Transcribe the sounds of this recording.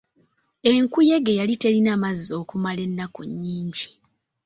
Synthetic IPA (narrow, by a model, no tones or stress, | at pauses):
e̞ŋkuje̞ɡejalite̞linaːmazːo̞ːkumale̞nːako̰ɲːiːɲɟi